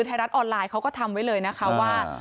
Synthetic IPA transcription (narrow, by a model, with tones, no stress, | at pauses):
ɯ˧t̪ʰa˧jɾa˦˥t̪ʔɔː˧nlaː˧jkʰa˦˥wkɔː˥˩t̪ʰa˧mwa˦˥jlɤː˧jna˦˥kʰa˦˥waː˥˩